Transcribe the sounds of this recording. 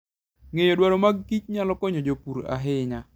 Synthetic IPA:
ŋejodwaɾomaɡːit͡ʃ̚ɲalɔkɔɲod͡ʒopuɾa̰ɦɪɲa

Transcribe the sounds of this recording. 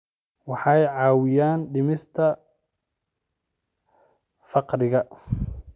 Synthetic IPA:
wɑħɑjʕɑːwɪjaːnɖɪmɪst̪ʰɐ | fɑqɾɪɣɐ

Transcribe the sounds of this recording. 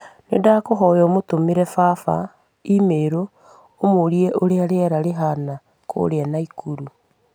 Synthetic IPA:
nḛdakoɦɔjɔmotomeɾɛfaːfa̰ | imeɾoː | moɾieʔoɾeaɾeaɾaɾeɦana | kʰo̰ɾeanaikʰuɾu

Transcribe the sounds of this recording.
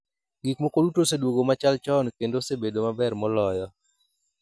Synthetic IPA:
ɡikmokodutosedwoɡomat͡ʃalt͡ʃɔnkendosebedomabɛrmɔlɔjɔ

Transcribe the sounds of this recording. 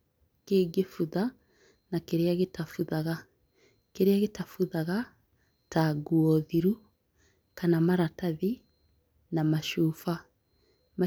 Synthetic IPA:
keːɡefuða | nakeɾeaɣetafuðaɣa | keɾeaɣetafuðaɣa | taɡuɔðiɾu | kanamaɾataði | namaʃuːfa | ma

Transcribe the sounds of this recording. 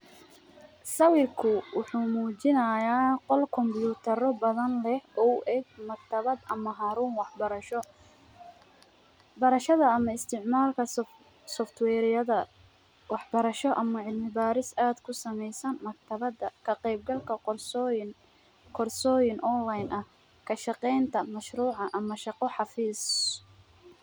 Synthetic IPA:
sɐwɪrkʰʊwʊħuːmuːt͡ʃɪnɐjaːqɔlkʰɔmbjuːt̪ʰɐrɔbɐðɐnlɛhʔɔwʔɛɡmɐkt̪ʰɐβɐd̪ʔɐmɐɦaːɾuːnwɑħbɐɾɐʃɔ | bɐɾɐʃɐðɐɐmɐɪst̪ʰɪʕmaːlkʰɐ | sɔft̪ʰwɛːɾjɐðɐ | wɑħbɐɾɐʃɔʔɐmɐʕɪlmɪbaːɾɪsaːd̪kʰʊsɐmɛjsɐnmɐkt̪ʰɐɐd̪ɐkʰɐqɛjb̚ɡɐlkʰɐ | kʰɔrsɔːjɪnʔɔnlajnʔɐh | kʰɐʃɑqɛjnt̪ʰɐmɐʃɾuːʕɑʔɐmɐʃɑqɔħɑfiːs

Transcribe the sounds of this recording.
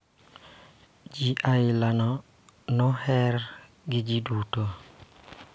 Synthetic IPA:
d͡ʒiʔaɪlanɔ | nɔhɛɾ | ɡɪd͡ʒiduto

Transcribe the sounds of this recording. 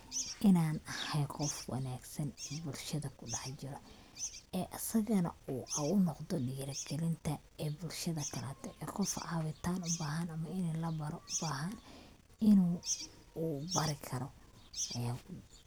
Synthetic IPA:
ʔɪnaːnɐhɛjqɔfwɑ̰naːɡsɐnɛbʊlʃɐðɐkʰʊɖɑħt͡ʃɪɾɔ | ɛːʔɐsɐɣɐnɐ̰uːʔɐʊnɔqd̪ɔɖiːɾɐɡɛlɪnt̪ʰɐ | ɛːbʊlʃɐðɐkʰɐlaːt̪ʰɛʔɛːqɔfa̰ːwɪt̪ʰaːnʊbaːɦɐnɐmɐɪnɛlɐbɐɾɔʔʊbaːɦɐn | ɪnuː | bɐɾɪkʰɐɾɔ | ʔɐjaː

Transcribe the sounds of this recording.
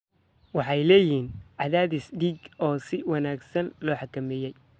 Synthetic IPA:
wɑħɑjlɛːjiːnʕɑðaːðɪsɖiːɡɔːsɪwɑnaːɡsɐnlɔːħɑkʰɐmɛːjɛj

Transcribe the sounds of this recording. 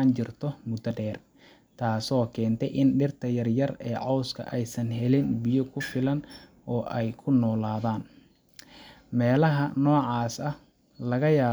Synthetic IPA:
aːnt͡ʃɪrt̪ʰɔmʊd̪ɐɖɛːr | t̪ʰaːsɔːkʰɛːnt̪ʰɛjʔɪnɖɪrt̪ʰɐjɐrjɐrɛːʕɔwskʰɐ̰ʔɛjsɐnɦɛlɪnbɪjɔkʰʊfɪlɐnʔɔːʔɛjkʰʊnɔːlaːðaːn | mɛːlɐɦɐnɔːʕɑːsɐh | lɐɣɐjaː

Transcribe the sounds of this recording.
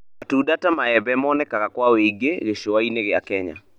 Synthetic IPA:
atudatamaɛbɛmɔnɛkakakwaweiɡeɣeʃowaineɣɪa̰kɛɲa̰

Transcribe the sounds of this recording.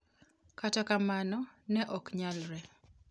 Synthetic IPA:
katɔkamanɔnɛʔɔkɲalɾɛ

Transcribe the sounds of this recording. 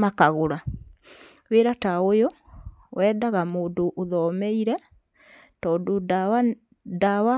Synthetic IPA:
makaɣoɾa | weɾataojo | wɛːdaɣamoːndoʔoðɔmeiɾɛ | tɔːndo | dawa

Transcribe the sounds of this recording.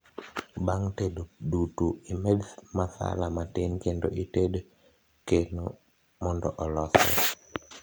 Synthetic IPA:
baŋtedodutuimedmasa̰lamatɪnkendoʔited | keno | mɔndɔʔɔlɔsɛ̰

